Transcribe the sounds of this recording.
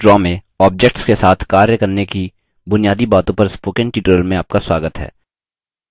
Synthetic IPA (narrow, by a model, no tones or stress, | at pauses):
ɾɔːmẽ | ɔːp̚d͡ʒekʈskesaːt̪ʰkaːɾjəkɐɾneki | bʊnijaːd̪ibaːt̪õpɐɾspoːkɪ̃ɳʈiːʈəɾəlmẽaːp̚kaswaːɡət̪ɦɛ̰ː